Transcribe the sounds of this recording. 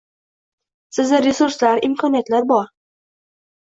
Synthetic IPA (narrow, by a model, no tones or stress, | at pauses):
sɪzɪɾe̞suɾslaɾɪmkʰɒnijat̪laɾbɒɾ